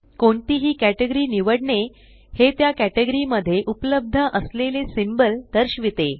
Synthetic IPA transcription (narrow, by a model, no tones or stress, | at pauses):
koɳʈiːɦiːkæʈeɡəɾiːniʋəɽɳe | het̪jakæʈeɡəɾiməd̪ʱːjeʔupləb̚d̪ʱəʔəslelesimbəld̪̥əɾɕʋit̪e